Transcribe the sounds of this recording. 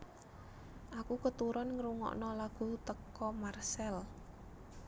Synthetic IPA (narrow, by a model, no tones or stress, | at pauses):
ʔakukət̪uɾɔnŋəɾuŋɔ̰ʔnɔlaɡ̥ṳt̪əkɔmarsɛl